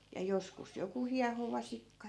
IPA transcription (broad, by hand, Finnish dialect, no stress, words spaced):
jɑ joskus joku hiɑhoʋɑsikːɑ